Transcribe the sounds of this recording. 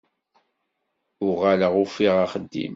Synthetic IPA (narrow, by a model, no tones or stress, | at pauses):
ʊʁaləʁʊfiʁaχəd̪ːḭm